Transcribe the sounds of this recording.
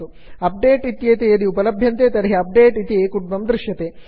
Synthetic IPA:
u | ɐp̚ɖeːʈit̪jeːt̪eɐd̪iupɐlɐbʱjɐnt̪eːt̪ɐɾɦeɐp̚ɖeːʈit̪ieːkuʈ̚mɐmd̪ɾɪʂjɐt̪eː

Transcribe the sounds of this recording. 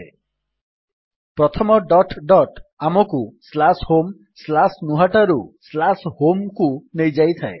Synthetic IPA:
pɾɔt̪ʰɔmɔɖɔʈɖɔʈamɔkuslashom | slasnuɦaʈaɾuslashomkunejd͡ʒajt̪ʰae

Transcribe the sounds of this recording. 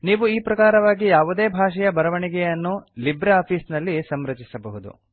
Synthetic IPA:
niːʋuiːpɾɐkaːɾɐʋaːɡijaːʋud̪e̞ːbʱaːʂɛjɐbɐɾɐʋɐɳiɡɛjɐnːulibɾeaːpʰiːsnɐlːisɐmɾɐt͡ʃisɐbɐɦud̪ṵ

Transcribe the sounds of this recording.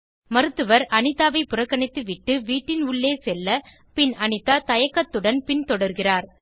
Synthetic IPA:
mɐɾɯt̪ːɯʋɐɾʔɐnɪt̪ːaːʋɐɪpːʊrɐkːɐɳɪt̪ːɯʋɪʈːɯʋiːʈːɪnʊɭːeːsɛlːɐ | pɪnɐnɪt̪ːaːt̪ɐjɐkːɐt̪ːɯɽɐnpɪnt̪ɔɽɐɾɣɪraːɾ

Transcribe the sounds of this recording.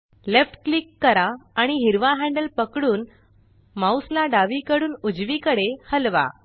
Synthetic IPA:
lefʈklikːəɾaːɽ̃iɦiɾʋaɦɛ̃ɳɖəlpəkɽuːn | mauslaɖaʋikəɽuːnud͡zʋikəɽehəlʋa̰

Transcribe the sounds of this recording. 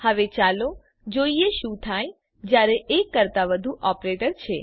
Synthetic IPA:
həʋet͡ʃalo | d͡ʒoieʃũt̪ʰaj | d͡ʒjaɾeʔekːəɾt̪aʋəd̪ʱuʔɔpɾeʈəɾt͡ʃʰe

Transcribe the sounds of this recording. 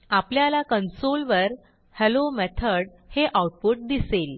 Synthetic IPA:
apljalakənsolʋəɾ | hɛlomɛt̪ʰəɽ | heʔauʈ̚puʈ̚d̪isel

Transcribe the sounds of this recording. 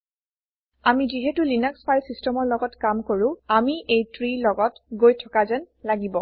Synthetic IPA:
amiziɦɛtulinakspʰajlsistɛmɔɹlɔɡɔtkamkoɹʊ̃amiʔejtɹilɔɡɔtɡojtʰɔkazɛn | laɡibɔ

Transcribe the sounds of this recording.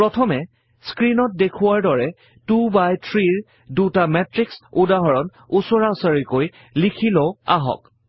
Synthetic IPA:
pɹɔtʰɔmɛ | skɹinɔt̚dekʰʊwaɹdɔɹɛ | tubajtʰɹiɹ | dutamɛtɹiksudaɦɔɹɔn | usɔɹaʊsaɹikoj | likʰilɔa̰ɦɔ̰k

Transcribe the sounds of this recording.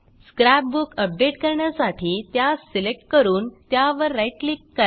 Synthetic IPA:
skɾæp̚bukəp̚ɖeʈkəɾɳjasaʈʰiːt̪jaselek̚ʈ̚kəɾuːnt̪jaʋəɾːajʈlikːə

